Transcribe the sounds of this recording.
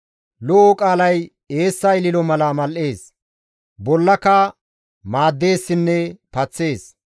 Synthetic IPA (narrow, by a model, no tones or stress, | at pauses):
lɔʔɔkʼaːlɐj | e̞ːsːɐɪlɪlɔmɐlɐmɐlʔe̞ːs | bɔlːɐkɐ | maːd̪ːe̞ːsːɪnːɛpɐt͡sːe̞ːs